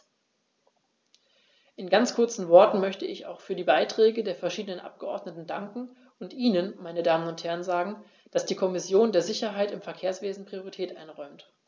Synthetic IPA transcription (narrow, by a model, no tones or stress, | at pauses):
ʔɪnɡant͡skʰʊɐt͡sn̩vɔɐtn̩mœçtəɪça̰ʊxfyːɐdiːbaɪtʁ̥ɛːɡədeːɐfɛɐʃiːdənənʔa̰p̚ɡ̥əʔɔɐdnətn̩daŋkŋ̩ | ʔʊntʔiːnənmaɪnədaːmənʊnthɛɐənzaːɡŋ̩ | d̥asd̥iːkʰɔmɪsjoːndeːɐzɪçɐɦaɪtɪmfɛɐkʰeːɐsv̥eːzn̩pʁ̥ioʁitʰɛːtʔa̰ɪnʁɔʏmt